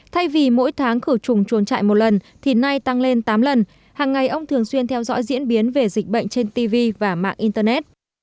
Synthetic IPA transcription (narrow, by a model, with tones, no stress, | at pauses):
t̪ʰa˧jvi˨˩mo̰˧˥jt̪ʰaː˨˦ŋkɨ˧˩t͡ɕʊ˨˩ŋ͡mt͡ɕu˨˦nt͡ɕa̰ː˧˨jmo˨˩t̚lə˨˩n | t̪ʰi˨˩na˧jt̪a˧ŋle˧nt̪aː˨˦mlə˨˩n | haː˨˩ŋːa˨˩jʔə˧wŋ͡mt̪ʰɨ˨˩əŋswi˧ənt̪ʰɛ˧wzɔ̰˧˥jzḭ˧˥ənɓi˨˦ənve˨˩zï˨˩k̟̚ɓə̰˧˨jŋ̟t͡ɕe˧nt̪i˧vi˧vaː˨˩ma̰ː˧˨ŋʔi˧nt̪ə˧nɛ˦˥t̚